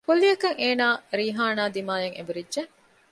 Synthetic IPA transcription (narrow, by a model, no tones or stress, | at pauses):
kulːiɐkɐŋeːnaːɾiːɦaːnaːd̪imaːjɐŋḛbuɾidʒe